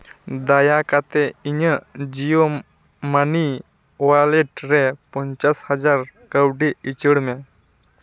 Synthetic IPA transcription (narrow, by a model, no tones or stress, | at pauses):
d̪ajakat̪eiɲəd͡ʑijo | mani | ʋaleʈɾepəɲt͡ʃashəd͡zaɾkəwɖiit͡ɕəɽme